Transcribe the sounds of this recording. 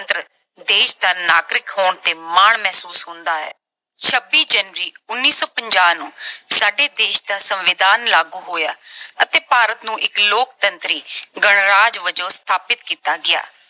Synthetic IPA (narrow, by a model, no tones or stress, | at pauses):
nt̪ɾə | d̪eːʃd̪aːnaːɡɾɪkɦoːɳt̪eːmaːɳmɛːsuːsɦʊ̃nd̪aːɛ̰ː | t͡ʃʰəbːiːd͡ʒənʋəɾiːʊnːiːsɔːpəɲd͡ʒaːnũːsaːɖeːd̪eːʃd̪aːsəmʋɪd̪aːnlaːɡuːɦoːjaːət̪eːpaːɾət̪nũːʔɪkloːk̚t̪ənt̪ɾiːɡəɳɾaːd͡ʒʋəd͡ʒõːst̪ʰaːpɪt̪kiːt̪aːɡɪja̰ː